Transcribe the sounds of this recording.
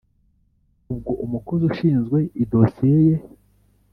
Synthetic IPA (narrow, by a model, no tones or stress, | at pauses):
ub̚ɡoʔumukozuʃiːnzɡwe̞ʔidosijeje